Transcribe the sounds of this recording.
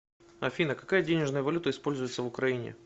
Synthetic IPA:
ɐfʲinəkɐkajədʲenʲɪʐnəjəvɐlʲut̪əɪspo̞lʲzʊjɪt̪səvʊkɾɐinʲɪ̰

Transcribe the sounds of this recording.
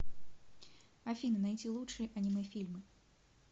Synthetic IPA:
ɐfʲinɨnajtʲilˠutʂɨjəʔɐnʲimɨfʲilʲmɨ

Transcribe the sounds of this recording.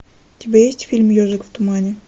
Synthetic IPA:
t̪ʲibʲajesʲtʲfʲilʲmjoʐɨkft̪ʊmanʲɪ

